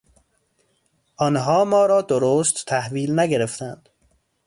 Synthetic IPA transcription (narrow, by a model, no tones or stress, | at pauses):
ʔɒːnɦɒːmɒːɾɒːd̪oɾoːst̪ʰːæhviːlnæɡeɾeft̪ʰænd̪̥